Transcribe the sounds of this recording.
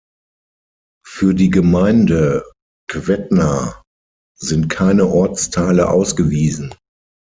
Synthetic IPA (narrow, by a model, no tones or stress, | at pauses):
fyːɐdiːɡəmaɪndə | kv̥ɛtna | zɪnt̚kʰaɪnəʔɔɐt͡stʰaɪləʔa̰ʊsɡ̥əviːzn̩